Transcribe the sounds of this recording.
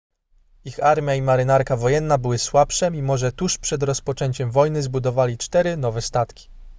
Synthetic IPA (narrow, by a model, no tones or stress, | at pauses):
ixaɾmʲjaimaɾɘnaɾkavɔjɛnːabɘwɘswapʂɛimɔʐɛt̪uʂpʂɛd̪ɾɔspɔt͡ʂɛɲt͡ɕɛmvɔjnɘzbud̪ɔvalʲit͡ʂt̪ɛɾɘnɔvɛst̪at̪kʲi̥